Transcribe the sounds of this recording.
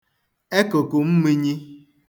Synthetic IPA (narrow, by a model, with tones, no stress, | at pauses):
e˦ko˨ko˨m̩˦mi˦ɲi˦